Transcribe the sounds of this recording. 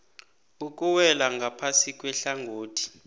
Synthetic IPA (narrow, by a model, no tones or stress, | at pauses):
uk̬ʼuwɛlaŋɡʱapʰasikʼwɛɬaŋɡʱoːtʰi̥